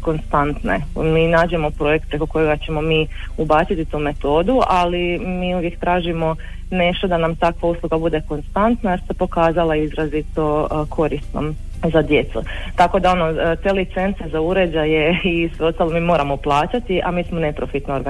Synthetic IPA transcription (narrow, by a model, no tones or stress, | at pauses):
ko̞nst̪ant̪nḛmiːnaːd͡ʑe̞mo̞pɾo̞jek̚t̪̚pɾe̞ko̞ko̞jeɡat͡ɕe̞mo̞miːubaːt͡ʃ̪it̪it̪uːme̞t̪o̞ːd̪uʔalimiːuʋje̞kt̪ɾaːʒimo̞ | ne̞ʃt̪o̞d̪anamt̪akʋausluɡabud̪e̞ko̞nst̪ant̪najeɾsepo̞kaːzalˠaizɾazit̪o̞kʰo̞ɾist̪nom | zad̪je̞t̪sṵt̪ako̞d̪ao̞no̞t̪elit̪sent̪sezauɾe̞d͡ʑaje̞isʋeo̞st̪alˠomiːmo̞ːɾamo̞plˠaːt͡ɕat̪iʔamiːsmone̞pɾo̞fit̪noːɾɡa